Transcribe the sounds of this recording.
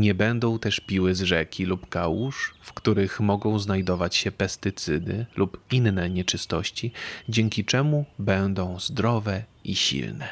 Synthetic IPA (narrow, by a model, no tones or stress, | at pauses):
ɲɛbɛnd̪ɔ̃w̃t̪ɛʂpʲiwɘzʐɛkʲilupkawuʂfkt̪uɾɘxmɔɡɔ̃w̃znajd̪ɔvat͡ɕɕɛpɛst̪ɘt̪sɘd̪ɘlʔupinːɛɲɛt͡ʂɘst̪ɔɕt͡ɕid͡ʑɛŋkʲit͡ʂɛmubɛnd̪ɔ̃w̃zd̪ɾɔvɛʔiɕḭlnɛ